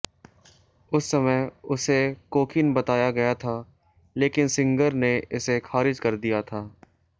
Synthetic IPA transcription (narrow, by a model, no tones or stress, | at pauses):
ʊsːɐməjʊsekoːkʰɪnbɐt̪aːjaɡɐjat̪ʰaː | leːkɪnsɪ̃ŋɡəɾneʔɪsexaːɾɪd͡ʒkɐɾd̪ijat̪ʰaː